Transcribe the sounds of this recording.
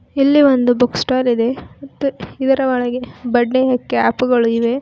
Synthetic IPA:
ilːiʋond̪ubuksʈaːlid̪e̞mɐt̪ːuid̪ɐɾɐʋɐɭɐɡebɐɖːeɦekːea̰ːpuɡɐɭuiʋe̞

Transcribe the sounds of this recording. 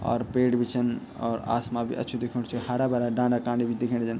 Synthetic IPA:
ɔ̰ːɾpeɽbʱit͡ʃʰən | ɔ̰ːɾa̰smabʱḭʔə̰tːt͡ʃʰud̪ekʰuɽt͡ʃʰuhaɾabaɾaɖãɳɖakãɖibʱid̪ekʰint͡ʃʰən

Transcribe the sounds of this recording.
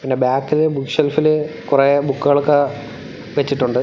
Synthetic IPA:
pinːebaːkːilebukʂelfilɨ | kurebukːuɣɐɭokːe | ʋet͡ɕːiʈːuɳɖɨ

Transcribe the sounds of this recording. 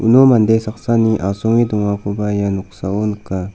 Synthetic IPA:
ṵnomand̪esaqsaniʔasoŋid̪uŋakubajanuksaonka

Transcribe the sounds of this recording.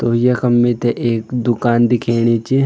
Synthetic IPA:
t̪ojekɐmːit̪eʔeːkd̪ʊkaːnd̪ɪkʰeːɽ̃it͡ʃi

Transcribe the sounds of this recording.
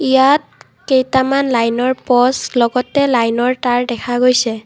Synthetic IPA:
ijat̚ | kejtamanlajnɔɹpɔslɔɡɔtɛlajnɔɹtaɹdɛkʰaɡojsɛ

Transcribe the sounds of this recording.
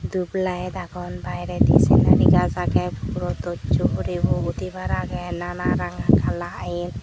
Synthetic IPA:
d̪ublajɛd̪aɡɔnbajɾɛd̪ḭsɛ̰na̰ɾiɡazaɡɛbʰuɾɔt̪ɔt͡ʃuɾibuɡut̪ibaɾaɡɛnanaɾaŋɡakalaʔain

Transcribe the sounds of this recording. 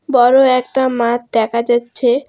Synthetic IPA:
bɔɾoɛk̚ʈamãt̪̚d̪ɛkʰad͡ʑatːɕʰe

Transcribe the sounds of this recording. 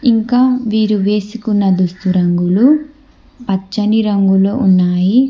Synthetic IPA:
iŋkaːʋiːɾuʋeːsikunːɐd̪ust̪uɾɐŋɡulu | pɐt͡ʃːɐniɾɐŋɡuloːʔunːaːji

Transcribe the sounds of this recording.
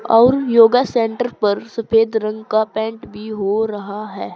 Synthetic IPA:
ɔːɾjoːɡasẽːɳʈəɾpɐɾsɐpʰeːd̪ɾɐ̃ŋɡkapɛ̃ːɳʈbʱiɦoɾɐɦaɦɛː

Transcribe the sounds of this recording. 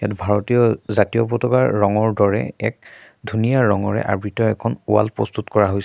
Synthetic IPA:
ja̰tbʱaɹɔtijɔzatijɔpɔtɔkaɹːɔŋɔɹdɔɹɛ̰ɛ̰k̚ | dʱunijaɹɔŋɔɹɛ̰ʔa̰ɹbitɔɛkʰɔnua̰lpɹɔ̰st̪utkɔɹaɦojs

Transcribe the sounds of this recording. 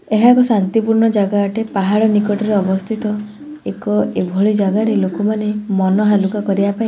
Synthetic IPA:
eɦakɔsant̪ipuɾɳɔd͡ʒaɡaːʈepaɦaɭɔnikɔʈɔɾeɔbɔst̪ʰit̪ɔ | ekɔebʱɔɭid͡ʒaɡaɾelokɔmanemɔnɔɦalukakɔɾibapaĩ

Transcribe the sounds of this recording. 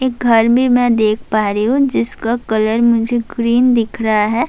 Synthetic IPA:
eːk̚ɡʱɐɾbʱimɛ̃d̪eːk̚ʰpaːɾiɦũd͡ʒɪskakɐləɾmʊd͡ʒʱeɡɾiːnd̪ɪkʰɾɐɦaɦɛː

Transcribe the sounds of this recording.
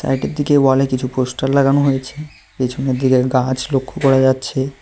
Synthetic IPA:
sa̰jʈeɾd̪ikewalekit͡ɕʰuposʈaɾlaɡanoɦojet͡ɕʰe | pit͡ɕʰoneɾd̪ikeɡãt͡ɕlokʰːokɔɾad͡ʑatːɕʰe

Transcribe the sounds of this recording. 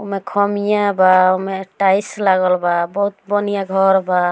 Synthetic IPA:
umekʰɔmijãbaumeʈajslaɡəlbabɔɦut̪bɔnijaɡʱɔɾba

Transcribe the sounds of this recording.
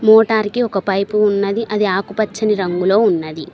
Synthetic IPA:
mɔːʈaːɾkiɔkɐpɐjpuːnːɐd̪iʔɐd̪iaːkupɐt͡ʃːɐniɾɐŋɡulo̞ːunːɐd̪i

